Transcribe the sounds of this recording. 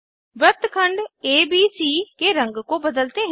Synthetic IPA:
ʋɾət̪kʰəɳɖeːbiːsiːkeːɾəŋɡkõːbəd̪əlt̪eːɦ

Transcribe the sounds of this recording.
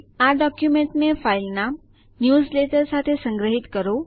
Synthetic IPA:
aɖɔkjumẽɳʈnefailnam | njusleʈəɾsat̪ʰesə̃ŋɡɾəɦit̪kəɾo

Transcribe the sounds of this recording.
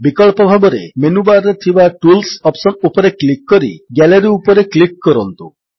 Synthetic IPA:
bikɔɭpɔbʱabɔɾḛmenubaɾɾet̪ʰibaʈulsɔpsɔnupɔɾeklikːɔɾḭɡɛleɾiupɔɾeklik̚kɔɾɔnt̪u

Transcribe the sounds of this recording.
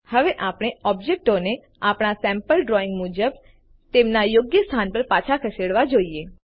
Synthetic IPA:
həʋeʔapɽ̃eɔbd͡ʒek̚ʈone | apɽ̃asɛ̃mpəlɖɾoɪ̃ŋɡmud͡ʒəb | t̪emnajoɡjəst̪ʰanpəɾpat͡ʃʰakʰəseɽʋad͡ʒoie

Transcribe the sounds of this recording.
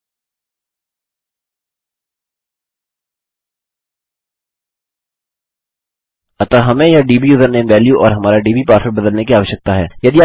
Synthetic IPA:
ɐt̪aɦɐmẽjaɖiːbiʊzəɾnẽːmʋɛːljuʔɔ̰ːɾɦɐmaːɾaɖiːbipaːɾsəɾbɐd̪əlnekiaːʋəʃjək̚t̪aɦɛ̰ːjɐd̪ia

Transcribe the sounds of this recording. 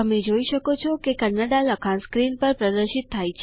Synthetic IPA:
əmed͡ʒoiʃəkot͡ʃʰɔkekənaɖaləkʰãnskɾinpəɾpɾəd̪əɾʃitt̪ʰːajt͡ʃʰ

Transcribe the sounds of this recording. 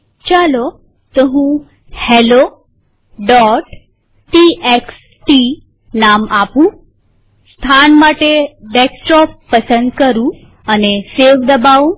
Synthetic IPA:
t͡ʃalo | t̪oɦũ | helo | ɖɔʈ | ʈieks | ʈi | namapũ | st̪ʰanmaʈeɖeksʈɔpːəsənd̪kəɾũ | əneseʋd̪əbaʋũ

